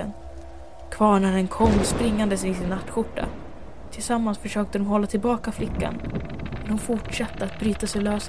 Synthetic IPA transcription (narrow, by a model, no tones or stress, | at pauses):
ə̰n | kʰvɑːɳæɖɛnkʰɔmːspɾɪŋːand̪əsɪsɪnːat̪ːɧʊʈːa̰ | t̪ʰɪlsamːansfœʂøːk̚t̪əd̪ɔmhɔlːat̪ʰɪlbɑːkaflɪkːa̰nmɛnhʊnfʊʈʂat̪ːəat̪̚bɾyːt̪asɛjløːs